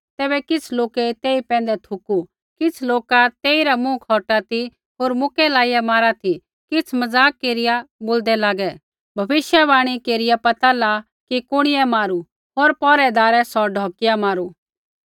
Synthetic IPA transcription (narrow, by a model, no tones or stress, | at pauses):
t̪ɛːbɛkɪt͡sʰloːket̪eːipɛ̃ːnd̪ɛt̪ʰʊku | kɪt͡sʰloːkat̪eːiɾamũkʰɔːʈat̪i | ɦoːɾmʊkɛlaːijamaːɾat̪ʰi | kɪt͡sʰmɐd͡zaːkːeːɾɪjaboːld̪ɛlaːɡɛ | bʱɐbɪʃjɛβaːɽ̃ikeːɾɪjapɐt̪ala | kikʊɽ̃ɪjɛmaːɾu | ɦoːɾpɔːɾɛd̪aːɾɛsɔɖʱɔːkɪjamaːɾu